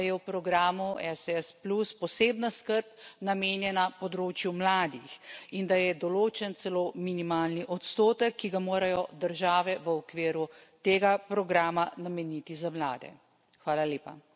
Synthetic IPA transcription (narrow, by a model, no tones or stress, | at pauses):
jɛwpɾɔɡɾaːmuɛsɛspluspɔseːbnaskəɾp̚nameːnjɛnapɔd̪ɾoːt͡ʃjumlaːd̪ixind̪ajɛd̪ɔloːt͡ʃɛnt̪sɛlominimaːlniʔɔt̪st̪oːt̪əkːiɡamoːɾajɔd̪əɾʒaːʋɛʋəɔkʋiːɾut̪eːɡapɾɔɡɾaːmanamɛnit̪izamla̰ːd̪ɛ̰ | xʋaːlaljeːpa